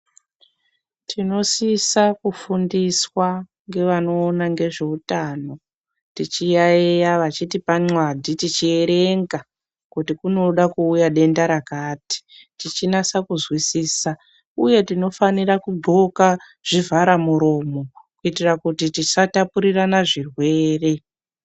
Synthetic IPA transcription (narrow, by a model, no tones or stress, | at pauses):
tʰino̞sisakufundiswa | ŋɡe̞ʋano̞ːnaŋɡe̞ʐe̞utano̞ | tit͡ʃijaejaʋat͡ʃitipaŋ͡ǀwadʱitit͡ʃie̞ɾe̞ŋɡa | kutikuno̞ɗakuːjaɗe̞ndaɾakaːti̥tit͡ʃinasakuzwisiːsa | uje̞tino̞fanirakuɡ͡ǃo̞ka | ʐ̥ivaɾamuɾo̞ːmo̞kuitirakutitit͡ʃatapuɾiranaʐirwe̞ːre̞